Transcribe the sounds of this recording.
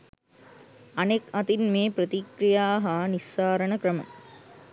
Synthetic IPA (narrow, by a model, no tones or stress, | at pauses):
ɐnekɐt̪inmeːpɾət̪ikɾijaːɦanisːaːɾənəkɾəmə̰